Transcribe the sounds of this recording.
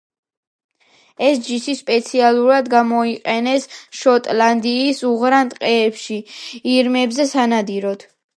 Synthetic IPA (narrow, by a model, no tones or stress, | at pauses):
ɛsd͡ʒisispʼɛt̪sʰialˠuɾad̪ɡamɔiqʼɛnɛsʃɔt̪ʼland̪iːsuʁɾant̪ʼqʼɛːpʃiiɾmɛbzɛsanad̪iɾɔd̪̥